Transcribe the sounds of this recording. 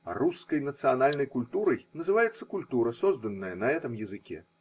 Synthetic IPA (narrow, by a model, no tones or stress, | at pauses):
ruskɐjnɐt̪sɨjanalʲnɐjkulʲt̪uɾɐjnɐzɨvajɛt̪sːɐ̥kulʲt̪uɾɐsɔzd̪ɐnːɐjɐnɐɛt̪ɨmjɐzɨkʲɛ̰